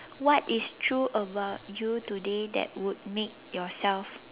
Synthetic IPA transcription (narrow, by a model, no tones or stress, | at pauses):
wɔtistʰɹuʔəbaʊt̚jutudedɛ̰t̚wut̚mek̚jɔsɛlf